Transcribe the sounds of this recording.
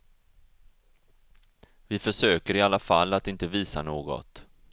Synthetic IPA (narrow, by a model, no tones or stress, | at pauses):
vɪfœʂøːkəɾɪalːafalːat̪ɪnt̪əviːsa̰noːɡɔ̰t̪